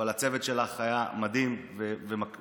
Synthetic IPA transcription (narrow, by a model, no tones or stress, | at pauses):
alat͡sevet̪ʃelaχajamad̪imvevema